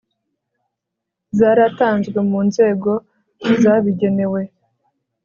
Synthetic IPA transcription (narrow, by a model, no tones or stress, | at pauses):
zaːɾataːnzɡwe̞muːnze̞ːɡo̞ | zaβiɟe̞ne̞we̞